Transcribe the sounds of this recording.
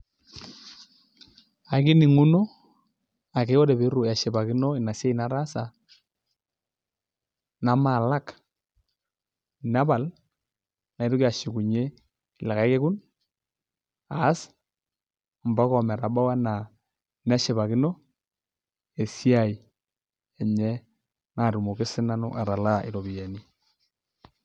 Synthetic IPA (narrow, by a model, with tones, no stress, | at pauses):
a˨ki˦ni˨ŋu˦no˦ | a˨ke˨˦ɔ˦dɛ˨be˨˦ɾu˨a˨ʃɛ˨ba˨ki˦nɔ˦ɪ˨na˨se˦i˨na˦ɾa˦sa˨ | na˨ma˨la˦k | na˦ba˨l | na˨i˦ɾu˦ka˨ʃi˨ku˨ɲe˦ | i˨la˨ka˨i˦ke˦ku˦n | a˨˦s | m˨ba˦kɔ˨mɛ˨ɾa˨ba˦wa˦na˨ | na˦ʃe˨βa˨kɪ˦nɔ˦ | e˨si˦a˦˨i˨ | e˨ɲɛ˦ | na˨ɾu˨mo˨kɪ˦sɪ˦na˦nṵ˦ʔa˨ɾa˨la˦ɪ̰˨ɾo˨bi˨ja˨ni˦